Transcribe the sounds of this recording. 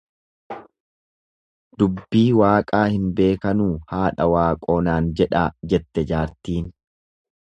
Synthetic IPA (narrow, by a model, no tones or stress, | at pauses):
d̪̥ʊbːiːwaːkʼaːhɪnbe̞ːkɐnuːhaːᶑɐwaːkʼo̞ːnaːnd͡ʒɛᶑaːd͡ʒɛt̪ːɛd͡ʒaːɾt̪iːn